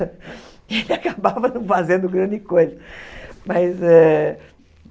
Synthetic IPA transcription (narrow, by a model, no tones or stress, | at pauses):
elɪakabavɐnɐ̃w̃fazẽnd̪ʊɡɾɐ̃nd͡ʒɪkojzɐmɐzɛ